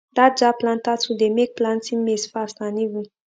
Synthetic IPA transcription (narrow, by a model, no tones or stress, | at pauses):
d̪ad͡ʒaplãnt̪asud̪emek̚plãntĩmesfast̪anivũ